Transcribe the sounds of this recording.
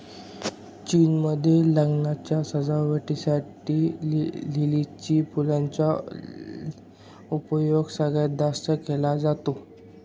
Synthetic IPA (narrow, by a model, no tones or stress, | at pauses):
t͡ɕinməd̪ʱːjeləɡnat͡ɕjasəd͡zaʋəʈisaʈiːlilit͡ɕiːpulaɲt͡ɕja | upəjoɡsəɡɭjad̪ast̪əkelad͡zat̪o